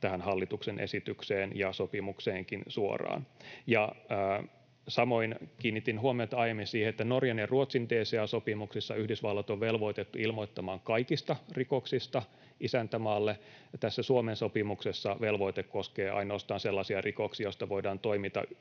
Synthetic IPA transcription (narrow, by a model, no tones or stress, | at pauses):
t̪æhænhɑlːit̪uksenʔḛsit̪ykseːnjɑsopimukseːŋkinsuo̰rɑ̰ːnjɑː | sɑmo̞inkiːnːit̪inɦuomiot̪ɑɑjemːinsiːheet̪ːænorjɑneruot̪sint̪eːseæsopimuksisːɑyhdisʋɑlːɑt̪oʋʋelʋo̞it̪et̪ːuilmoit̪ːɑmɑːŋkɑikist̪ɑrikoksist̪ɑ | ʔisænt̪æmɑːlːet̪æsːæsuomensopimuksesːɑʋelʋo̞it̪ekkoskeːʔɑ̰inoːst̪ɑːnselːɑsiɑrʔikoksijost̪ɑʋo̞idɑːnt̪o̞imit̪ɑ̰